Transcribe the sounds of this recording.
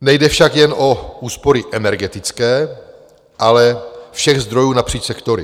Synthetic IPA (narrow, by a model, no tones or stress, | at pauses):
nɛjdɛfʃakjɛno̞uːspo̞ɾɪʔɛnɛɾɡɛt̪ɪt͡skɛː | ʔalɛfʃɛɣzd̪ɾo̞juːnapr̥iːt͡ʃsɛkt̪o̞ɾɪ